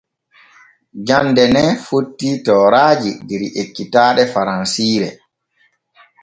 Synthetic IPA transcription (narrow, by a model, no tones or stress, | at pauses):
d͡ʒandɛnɛfotːitɔːɾaːd͡ʒidiɾʔekːitaːɗɛfaɾansiːɾɛ̰